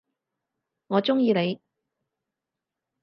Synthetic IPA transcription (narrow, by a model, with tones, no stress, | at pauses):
ŋɔː˨˧t͡sʊ˥ŋjiː˧ne˨˧j